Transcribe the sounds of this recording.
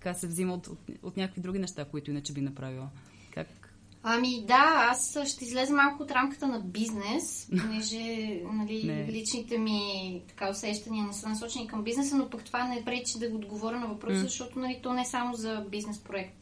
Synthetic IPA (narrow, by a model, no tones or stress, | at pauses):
t̪ɐ̥kasɛvziməot̪o̰t̪ot̪nʲakəkvid̪ɾuɡ̟inɛʃt̪akoit̪ʊinət͡ʃɛbinɐpɾavilˠə | ka̰k | ɐmid̪aasʃt̪ɛizlɛzɛmalˠkʊːt̪ɾamkə̥t̪ənɐbiznɛsponɛʒɛnɐlilit͡ʃnit̪ɛmit̪ɐ̥kaosɛʃt̪ɐniənɛsənɐsɔt͡ʃɛnikɐmbiznɛsənopɐkt̪ovanɛɛpɾɛt͡ʃid̪ɐɡood̪ɡovɔɾʲənɐvɐpɾɔsəzɐʃt̪ɔt̪ʊnɐlit̪ɔnɛsamozɐbiznɛspɾoɛkt̪